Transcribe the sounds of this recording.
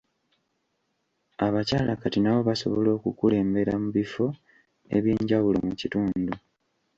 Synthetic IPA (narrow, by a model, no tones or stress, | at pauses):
aβacaːlakatinaβo̞βaso̞̰βo̞lo̞ːkukule̞ːmbe̞ɾamuβifo̞ | e̞̰βjeːɲɟawulo̰mucituːndu